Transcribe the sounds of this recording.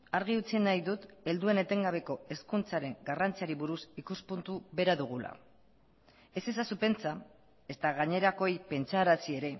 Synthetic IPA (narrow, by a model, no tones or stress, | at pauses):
aɾɣ̞iut͡sinajðut̪e̞ld̪ue̞ne̞t̪e̞ŋɡaβ̞e̞ko̞e̞skunt͡saɾe̞ŋɡarant͡siaɾiβuɾusikuspunt̪uβe̞ɾaðuɣ̞ula̰ | e̞se̞sasupe̞nt͡sa | e̞st̪aɣaɲe̞ɾako̞jpe̞nt͡saːɾasie̞ɾe̞